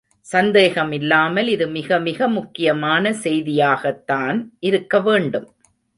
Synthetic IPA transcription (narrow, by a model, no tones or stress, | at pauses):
sɐnd̪eːɣɐmɪlːaːmɐlɪðɯmɪɣɐmɪɣɐmʊkːɪjɐmaːnɐsɛjðɪjaːɣɐt̪ːaːnʔɪɾɯkːɐʋeːɳɖɯm